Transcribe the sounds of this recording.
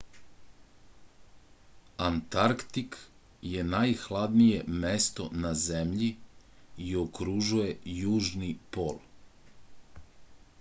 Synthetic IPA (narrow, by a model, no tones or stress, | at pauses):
ant̪aɾkt̪ik | je̞najxlad̪nije̞mest̪o̞nazemʎi | iokɾuʒuje̞juːʒnipo̞̰ːl